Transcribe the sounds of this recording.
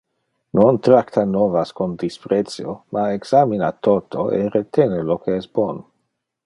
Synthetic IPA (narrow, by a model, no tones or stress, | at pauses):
nont̪ɾakt̪anovaskond̪ispɾet̪sjomaeɡsaminat̪ot̪ʰoʔḛɾet̪ʰenelokeɛstb̥ono